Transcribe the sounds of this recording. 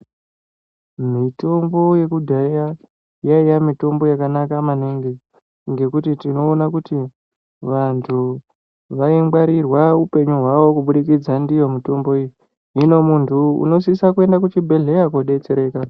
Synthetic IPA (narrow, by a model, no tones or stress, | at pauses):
mito̞mbo̞je̞kudʱaja | jaijamito̞mbo̞jakanakamaniŋɡi | ŋɡe̞kutitino̞ːnakuti | ʋantʰu | ʋaiŋbaɾirwaupe̞ɲuɦwaʋo̞kuɓuɗikid͡zandijo̞mito̞mbo̞ijo | ino̞muntʰuṵno̞s̬isakue̞ndak̬ut͡ʃibʱe̞ɮe̞akoɗe̞t͡se̞ɾe̞ːka